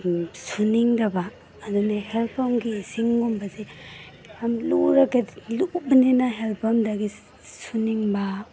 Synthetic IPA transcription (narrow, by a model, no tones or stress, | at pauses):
suniŋdabaː | dunahelpʰamɡiːsiŋɡumbazi | amluɾaɡedluk̚baninaɦelpʰamdaɡi | suniŋba